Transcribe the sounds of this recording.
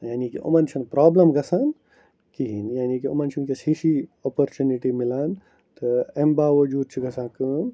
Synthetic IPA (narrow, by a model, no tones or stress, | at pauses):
jaːnikḭʔṵmɐnt͡ʃʰinpɾaːblɐmɡɐsaːn | kiɦinjaːnikiṵmɐnt͡ʃʰunkɐsiːʃioːpoɾt͡ʃuniʈimilaːn | t̪ɐembaːʋɐd͡ʒuːd̪̚t͡ʃʰiɡɐsãːkəːn